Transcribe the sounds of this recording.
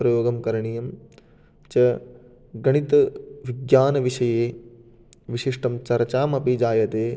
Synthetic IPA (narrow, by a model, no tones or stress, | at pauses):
pɾɐjoːɡɐmkɐɾɐɳijɐm | t͡ʃɐ | ɡɐɳ̃it̪ɐʋiɡjaːnɐʋiʃɐjeː | ʋiʃiʂʈɐmt͡ʃɐɾt͡ʃaːmɐpid͡ʒaːjɐt̪eː